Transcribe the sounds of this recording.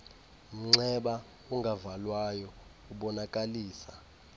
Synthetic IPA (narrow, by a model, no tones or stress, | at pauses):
m̩ŋ͡ǀɛɓa | uŋɡʱavalwajɔ | uɓɔnakʼaliːsa